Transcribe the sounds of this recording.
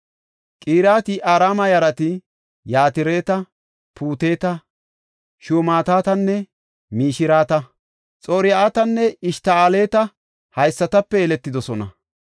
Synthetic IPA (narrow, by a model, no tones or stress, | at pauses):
kʼiːɾaːt̪ɪʔaːɾaːmɐjɐɾɐt̪ɪ | jaːt̪ɪɾe̞ːt̪ɐ | pʰuːt̪e̞ːt̪ɐ | ʃuːmaːt̪aːt̪ɐnːɛ | miːʃɪɾaːt̪ɐ | t͡sʼoːɾɪjaːt̪ɐnːɛɪʃt̪aaːle̞ːt̪ɐ | hɐjsːɐt̪ɐpːɛːlɛt̪ːɪd̪ɔsɔnɐ̰